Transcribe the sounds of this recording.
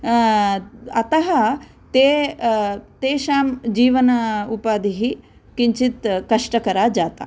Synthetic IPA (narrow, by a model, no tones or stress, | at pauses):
ɐt̪ɐɦɐ | t̪eː | t̪eːʃaːmd͡ʒiːʋɐnɐupaːd̪iɦi | kiɲt͡ʃit̪kɐʂʈɐkɐɾaːd͡ʒaːt̪a̰